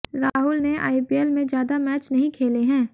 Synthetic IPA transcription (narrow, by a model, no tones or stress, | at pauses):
ɾaːɦʊlnea̰ːipiɛlmẽzjaːd̪amɛːt͡ʃnɐɦĩkʰeːleɦɛ̃ː